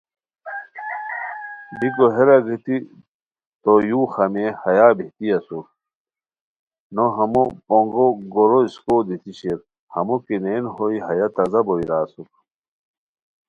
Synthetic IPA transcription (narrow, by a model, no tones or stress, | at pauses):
bikoɦeɾɐɡit̪i | t̪ojuːxɐmehɐjaːbiht̪iɐsuɾ | noɦɐmopoŋɡoɡoɾoiskod̪it̪iɕeɾ | hɐ̰mokineːnɦoiɦɐjat̪ɐzɐboiɾaːsuɾ